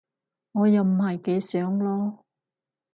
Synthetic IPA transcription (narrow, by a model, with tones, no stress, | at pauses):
ŋɔː˨˧jɐ˨wm̩˨˩hɐ˨jke˨˧˥jsœː˨˥ŋlɔː˥